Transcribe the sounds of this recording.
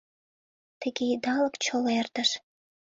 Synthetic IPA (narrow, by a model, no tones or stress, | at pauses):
t̪ə̆ɡʲeid̪ɑləkt͡ɕolert̪əʃ